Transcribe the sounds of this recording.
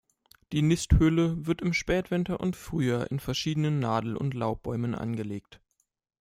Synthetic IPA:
d̥iːnɪsthʏləvɪɐtɪmʃpɛːtv̥ɪntɐʔʊ̰ntfʁ̥yːɐʔɪ̰nfɛɐʃiːdənənːaːdl̩ʔʊ̰ntlaʊp̚b̥ɔʏmənʔa̰nɡəleːkt

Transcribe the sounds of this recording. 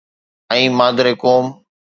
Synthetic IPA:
ɛ̃ːmaːd̪ɾeːkoːm

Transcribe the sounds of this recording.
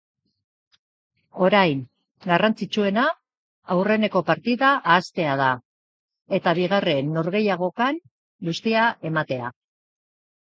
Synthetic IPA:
o̞ɾajŋ | ɡarant͡sit͡ʃue̞naː | wre̞ne̞ko̞paɾt̪iðaʔːst̪e̞að̞a | e̞t̪aβiɣ̞are̞nːo̞ɾɣ̞e̞jaɣ̞o̞kan | ɡust̪iae̞mat̪e̞a̰

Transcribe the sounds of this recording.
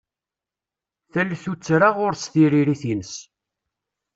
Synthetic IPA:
θælθut͡sːɾaʁʊɾsθiɾiɾiθinəs

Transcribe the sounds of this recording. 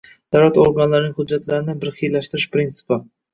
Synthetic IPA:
d̪̥awlat̪oɾɡanlaɾɪnɪŋhʊd͡ʒːat̪laɾɪnɪbɪɾχijlaʃt̪ɪɾɪʃpɾint̪sɪ̥pɪ

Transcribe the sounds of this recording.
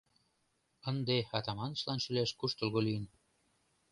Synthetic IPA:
ənd̪eɑt̪ɑmɑnət͡ɕlɑnʃylæʃkuʃt̪ŏlɣolijən

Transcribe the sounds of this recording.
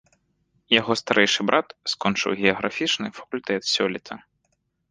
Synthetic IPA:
jaɣɔst̪aɾʔɛjʂɨbɾʔat̪skɔnt͡ʂɨ̰wɣʲɛɐɣɾafʲit͡ʂnɨfɐ̥kulʲt̪ɛt̪sʲɔlʲit̪ʰɐ

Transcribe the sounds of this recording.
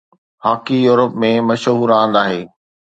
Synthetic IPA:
haːkijuːɾəpmẽmɐʃɦuːɾãːnd̪aːɦeː

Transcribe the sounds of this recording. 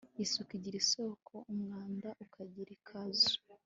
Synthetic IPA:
jisukiɟiɾiso̞kʰo̞ʔumŋaːndaʔukʰaɟiɾikʰazu̥

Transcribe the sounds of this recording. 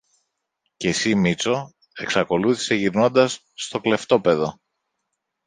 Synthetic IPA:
ce̞simit͡so̞ | e̞ksɐko̞luθi̥se̞ʝiɾno̞nd̪ɐsːt̪okle̞ft̪o̞pe̞ðo̞

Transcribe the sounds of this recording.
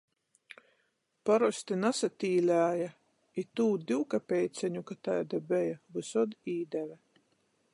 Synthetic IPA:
paɾɔsʲt̪inasat̪ʲiːlʲæːja | it̪uːd̪ʲiwkapʲɛjt̪sʲɛɲukat̪ajd̪abɛjavɨsɔd̪iːd̪ɛvɛ

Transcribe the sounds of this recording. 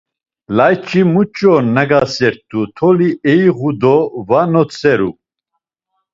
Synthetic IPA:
lajt͡ʃʼimut͡ʃʼɔnaɡasɛɾt̪ʼut̪ʰɔliɛjʁud̪ɔvanɔt͡sʰʼɛɾu

